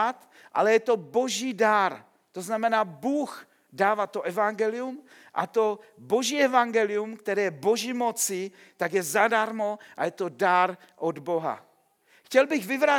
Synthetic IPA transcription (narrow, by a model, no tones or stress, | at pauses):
at̪ | ʔa̰lɛjɛt̪o̞bo̞ʒiːdaɾ | t̪oznamɛnaːbuːx | daːvaːt̪oʔɛvaŋɡɛlɪum | ʔa̰t̪o̞bo̞ʒiːɛvaŋɡɛlɪumkt̪ɛɾɛːjɛbo̞ʒimot͡sɪ | t̪aɡjɛzadaɾmoʔajɛt̪odaɾ | ʔod̪boɦa̰ | xcɛlbɪɣvɪvɾa